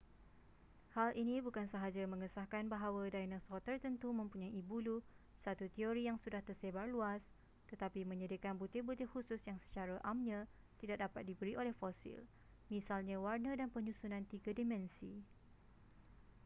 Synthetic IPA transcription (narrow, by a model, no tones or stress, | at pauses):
halʔinĩbukansəɦad͡ʒamə̃ŋəsahkanbaɦawadajnãsɔt̪ərt̪ənt̪umə̃mpuɲajibulusat̪ut̪ioɾijaŋsudaht̪ərsebarluas | t̪ət̪apimə̃ɲədikanbut̪ihbut̪ɪhhususjaŋsə̥t͡ʃaɾaʔamɲã | t̪idak̚dapat̪̚dibəɾiʔolɛhfosḭl | mĩsalɲãwarnədanpəɲũsunãnt̪iɡadimɛ̃nsi